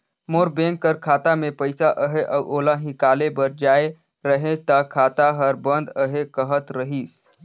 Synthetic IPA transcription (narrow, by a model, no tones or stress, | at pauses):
moɾbẽŋkːəɾkʰaːt̪amẽpəɪsaʔəɦeʔəʔoːlaɦĩkaːlebəɾd͡ʒae | ɾəɦẽt̪əkʰaːt̪aɦəɾbə̃nd̪əɦekəɦət̪ɾəɦis